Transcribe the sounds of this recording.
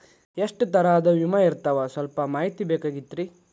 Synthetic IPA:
eʂʈt̪ɐɾaːd̪ɐʋimɐiɾt̪ɐʋɐsɐlpɐmaːɦit̪ibɛːkaːɡit̪ːɾi

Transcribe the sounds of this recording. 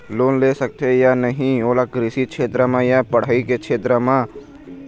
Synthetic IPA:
loːnlesək̚t̪ʰejanəɦĩoːlakɾɪsikʃʰeːt̪ɾəmãjapəɽ̤aikekt͡ʃʰeːt̪ɾəmã

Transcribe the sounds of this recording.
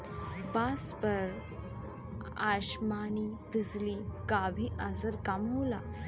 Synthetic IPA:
baspəɾ | aɕmanibid͡zlikaʋʱiʔazəɾkamɦola̰

